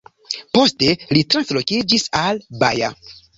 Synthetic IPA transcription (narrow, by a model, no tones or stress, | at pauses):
po̞stelitɾanslo̞kid͡ʒisalba̰ja̰